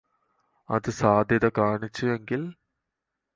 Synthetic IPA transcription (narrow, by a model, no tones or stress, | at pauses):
ɐ̰ðɨsaːd̪ʱjɐðɐkaːɳit͡ɕːueŋɡil